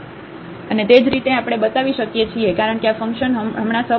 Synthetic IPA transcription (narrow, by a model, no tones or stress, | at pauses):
ənet̪ed͡ʒɾit̪eapɽ̃ebət̪aʋiʃəkjet͡ʃʰiekaɾəɳkeafəŋkʃənɦəmɳasə